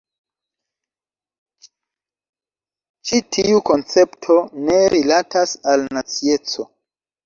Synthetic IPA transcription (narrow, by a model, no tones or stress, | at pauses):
t͡ʃitʰiuko̞nt͡se̞ptʰo̞ne̞ɾilatasalnat͡sie̞t͡so̞